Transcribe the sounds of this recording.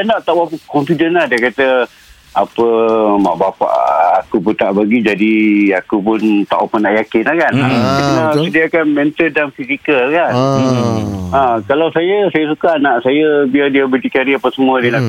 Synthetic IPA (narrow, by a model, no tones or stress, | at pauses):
anaʔt̪aʔwapəkɔmfidənlahdiəkat̪ə | apəma̰ʔbapa̰ʔakupunt̪aʔbaɡid͡ʒadiakupʊnt̪aʔapənaʔjakɪnakanaəknəsədiakanmɛnt̪əldanfisikəkan | akalawsajəsajəs̬ukanaʔsajəbiadiəbəd̪ikaɾiapəsəmuədina